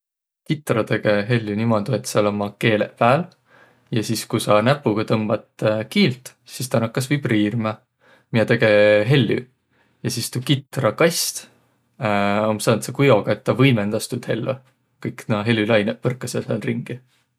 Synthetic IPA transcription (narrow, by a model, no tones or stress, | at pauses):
kit̪ːˑrɑt̪e̞ɡ̥e̞ɦe̞lʲːynimod̪uet̪seɑlo̞mɑke̞ːle̞̰ʔpæːl | jɑsiskusɑnæpːˑuɡ̥ɑt̪ɤmb̥ɑt̪kiːlt̪ | sist̪ɑnɑkːɑsvibriːrmɑ | miɑt̪e̞ɡ̥e̞ɦe̞lːy̰ | jɑsist̪ukit̪ːˑrɑkɑjsʲt̪ | omsɑnt̪sekujo̞ɡ̥ɑet̪ːɑvɤjmend̪ɑst̪ud̪he̞lːo | kɤjknɑɦe̞lʲːylɑjnepɤrkːˑɑseselriŋɡ̥i